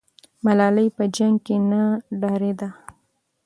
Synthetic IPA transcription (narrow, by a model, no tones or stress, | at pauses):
malɑləjpəd͡ʒaŋɡ̚kenaɖɑɾed̪a